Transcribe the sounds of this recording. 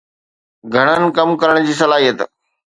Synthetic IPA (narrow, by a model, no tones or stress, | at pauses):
ɡʱɐɽ̃ənɪ̆kɐmkɐɾəɽ̃d͡ʑiːsɐlaːɦijət̪